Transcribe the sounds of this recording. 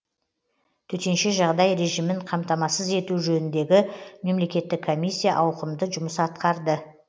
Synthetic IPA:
t̪ʰɵt̪e̞nʃe̞ʒɑʁd̪ɑjɾe̞ʒijmɪɴqʰɑmt̪ɑmɑsəze̞t̪uʒɵnɪnd̪e̞ɡʲɪme̞mle̞kʲe̞t̪ːɪkʰːo̞mʲijsʲːijɑʔɑwqəmd̪əʒʊməsɑt̪qɑɾd̪ə

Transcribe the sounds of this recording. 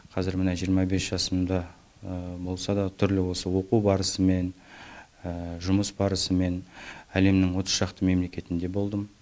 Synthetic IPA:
qʰɑzɪɾmənɑʒijəɾmɑbe̞sʒ̥ɑsəmd̪ɑ | bo̞lˠsɑd̪ɑt̪ʰʏɾlɪwo̞səwo̞qubɑɾəsəme̞n | əʒʊməsbɑɾəsəme̞næle̞mnɪŋwo̞t̪ə̥sʃɑqt̪əme̞mle̞kʲe̞t̪ɪnd̪e̞bo̞lˠd̪əm

